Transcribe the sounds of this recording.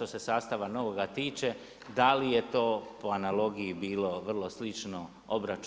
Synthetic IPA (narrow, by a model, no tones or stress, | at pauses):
t̪o̞se̞saːst̪aʋano̞ʋoɡat̪iːt͡ʃe | d̪alije̞t̪o̞ːpo̞analo̞ɡijibiːlo̞ʋr̩lˠo̞slit͡ʃno̞ | obɾat͡ʃ